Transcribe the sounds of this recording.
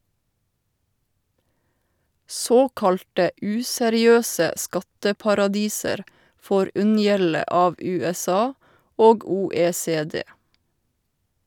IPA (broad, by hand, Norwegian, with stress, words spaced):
ˈsoːkɑlʈə ˈʉːsɛɾɪˌøːsə ˈskɑtəpɑɾɑˌdiːsəɾ ˈfoːɾ ˈʉnjɛlə ˈɑːʋ ˌʉːɛˈsɑː ˈoːɡ ˌuːeːseːˈdeː